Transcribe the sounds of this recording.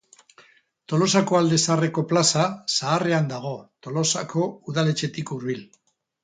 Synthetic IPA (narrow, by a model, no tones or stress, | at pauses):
t̪o̞lo̞sakoald̪e̞sare̞ko̞plasasaːre̞and̪aɣ̞o̞t̪o̞lo̞sa̰ko̞uðale̞t͡ʃe̞t̪ikuɾβil